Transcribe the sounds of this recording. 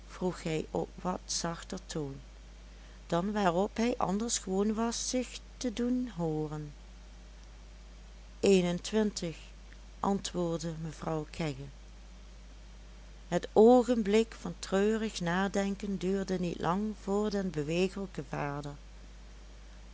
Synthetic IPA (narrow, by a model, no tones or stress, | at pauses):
v̥ruxɦɛjʔɔ̰pʋɑtsɑxtəɹtʰown | d̥ɑnʋaːrɔpɦɛjʔɑ̰ndəɹsχəʋownʋɑsːɪxtədunɦoːrən | eːjnəntʋɪntəx | ʔɑ̰ntʋʊːɹdəməv̥rɑwkʰɛɡə | ɦətowɣənblɪkfɑntrøːrəxnaːdɛŋkəndyːɹdənitlʔɑŋv̥ʊːɹdənbəʋeːɣələkəvaːɹdəɹ